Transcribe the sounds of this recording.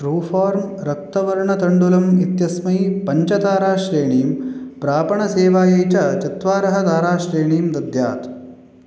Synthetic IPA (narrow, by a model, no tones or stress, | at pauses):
ʈɾuːfʰaːɾmɾɐk̚t̪ɐʋɐɾɳɐt̪ɐɳɖulɐmit̪jɐsmɐjpɐɲt͡ʃɐt̪aːɾaːʃɾeːɳiːmpɾaːpɐɳɐseːʋaːjɐjt͡ʃɐt͡ʃɐt̪ʋaːɾɐɦɐd̪aːɾaːʃɾeːɳiːmd̪ɐd̪ja̰ːt̪